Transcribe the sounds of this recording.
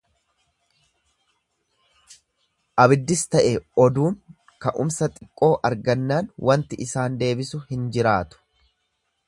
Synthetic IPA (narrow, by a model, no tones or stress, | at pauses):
ʔɐbɪd̪ːɪst̪ɐʔeɔd̪uːŋ | kɐʔʊ̰msɐt̪ʼɪkʼːo̞ːʔɐɾɡɐnːaːnwʔɐnt̪ɪʔɪsaːnd̪e̞ːbɪsʊhɪnd͡ʒɪɾaːt̪ʊ̥